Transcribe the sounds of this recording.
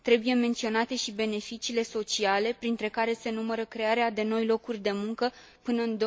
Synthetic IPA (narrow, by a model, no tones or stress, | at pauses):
t̪ɾe̞buje̞me̞nt̪sio̞nat̪e̞ʃibe̞ne̞fit͡ʃiːle̞so̞t͡ʃiale̞pɾint̪ɾe̞kaɾe̞se̞numəɾəkɾe̞aɾead̪e̞no̞jlo̞kurʲd̪e̞muŋkə | pɨnəɨnd̪o